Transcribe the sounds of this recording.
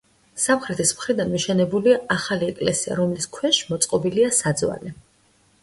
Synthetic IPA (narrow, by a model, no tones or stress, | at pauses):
samχɾɛt̪ʰismχɾid̪anmiʃɛnɛbuliaaχaliɛkʼlɛsia̰ɾɔmliskʰwɛʃmɔt̪sʼqʼɔbiliasad̪zwa̰li